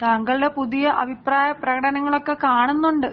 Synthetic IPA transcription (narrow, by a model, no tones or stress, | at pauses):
t̪aːŋɡɐɭɖepuðijɐʔɐbʱipraːjɐprɐɣɐɽɐnɐŋːɐɭo̞kːe̞kaːɳunːuɳɖɨ